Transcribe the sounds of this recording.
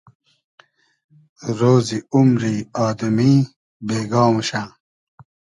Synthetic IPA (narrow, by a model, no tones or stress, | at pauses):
ɾoːziumɾiaːd̪miː | beːɡaːmɕã